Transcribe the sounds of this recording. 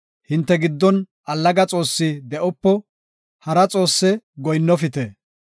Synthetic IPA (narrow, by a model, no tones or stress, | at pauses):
hɪnt̪ːɛɡɪd̪ːɔn | ʔɐlːɐɡɐt͡sʼo̞ːsːɪd̪ɛʔɔpːɔ | hɐɾɐt͡sʼo̞ːsːɛɡɔjnːɔfɪt̪ɛ